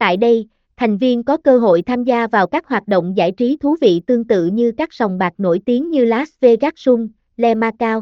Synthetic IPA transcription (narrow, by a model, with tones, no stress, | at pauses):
t̪a̰ː˧˨jɗə˧j | t̪ʰa˨˩jŋ̟vi˧ənkɔ˨˦kəː˧ɦo̰˧˨jt̪ʰaː˧mzaː˧vaː˨˩wkaː˦˥k̚hɦwaː˨˩t̚ɗo̰˧˨wŋ͡mza̰ː˧˩jt͡ɕi˨˦t̪ʰu˨˦vḭ˧˨t̪ɨ˧əŋt̪ɨ̰˧˨ɲɨ˧kaː˦˥k̚z̥a˨˩wŋ͡mɓaː˨˩k̚no̰˧˩jt̪i˨˦əŋɲɨ˧laː˦˥sve˧ɣaː˦˥k̚sʊ˧ŋ͡m | lɛ˧maː˧kaː˧w